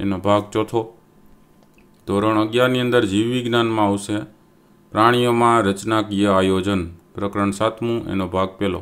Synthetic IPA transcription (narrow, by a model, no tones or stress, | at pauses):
ḛnobʱaɡt͡ʃot̪ʰo | d̪ʱoɾəɳ̃əɡjaɾniənd̪əɾd͡ʒiʋʋiɡnanmãaʋʃe | pɾaɽ̃ijomãɾət͡ʃnakijəajod͡ʒənpɾəkɾəɳsat̪ʰmũʔḛnobʱaɡ̚pelo̰